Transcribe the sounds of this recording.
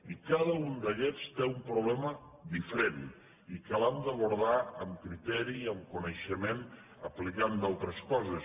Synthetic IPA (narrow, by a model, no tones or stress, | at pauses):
ikaðəund̪əkɛt͡st̪eumpɾuβlɛmə | d̪ifɾen | ikalamd̪əβuɾð̞aəmkɾit̪ɛɾiəmkunəʃəmen | əplikand̪alˠt̪ɾəskɔzəs